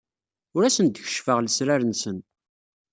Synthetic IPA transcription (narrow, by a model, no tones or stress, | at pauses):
ʊɾæsənd̪əçə̥ʃfəʁləsɾaɾənsən